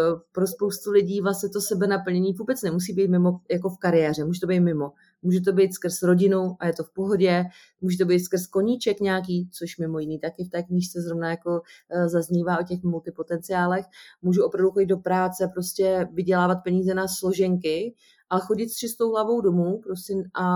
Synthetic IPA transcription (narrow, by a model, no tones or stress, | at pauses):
pɾospo̞wst̪ulɪɟiːvlasɲɛt̪o̞sɛbɛnapl̩ɲɛɲiːvuːbɛt͡snɛmus̬iːbiːt̪mɪmo̞jako̞fkaɾɪjɛːr̝ɛmuːʒɛt̪o̞bejt̪mɪmo̞ | muːʒɛt̪̬o̞bɛjt̪skr̩sɾo̞ɟɪnuʔajɛt̪o̞fpo̞ɦo̞ɟɛ | muːʒɛt̪obejt̪skr̩sko̞ɲit͡ʃɛkɲɛak̬iːt͡so̞ʃmɪmo̞jɪniːt̪akɪft̪ɛːkɲiʃt͡sɛzɾovnajako̞zazɲiːvaːʔocɛxmult̪ɪpo̞t̪ɛnt͡sɪaːlɛxmuːʒuʔopɾavduxoɟɪd̪dopɾaːt͡sɛpɾoscɛvɪɟɛlaːvat̪̚pɛɲiːzɛnaslo̞ʒɛŋkɪ | ʔaɛxo̞ɟɪt̪st͡ʃɪst̪o̞wɦlavo̞wdo̞muːpɾo̞sʲɛʔa